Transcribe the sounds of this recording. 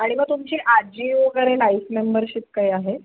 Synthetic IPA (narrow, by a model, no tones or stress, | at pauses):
aɽ̃iməɡ̚t̪umt͡ɕiːʔad͡ʑioɡəɾelaifmembəɾɕip̚kaiːaɦe